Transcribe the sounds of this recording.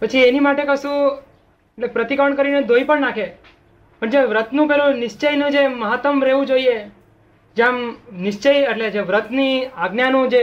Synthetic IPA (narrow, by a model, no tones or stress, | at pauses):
pət͡ʃʰienimaʈekəsũ | eʈlepɾət̪ikəɾɳkəɾined̪ʱoipəɳnakʰe | pəɳd͡ʒeʋɾət̪nũpelunɪʃt͡ʃəjnũd͡ʒeməɦət̪əmɾeʋũd͡ʒoie | d͡ʒeamnɪʃt͡ʃejəʈled͡ʒeʋɾət̪niaɡnjanũd͡ʒe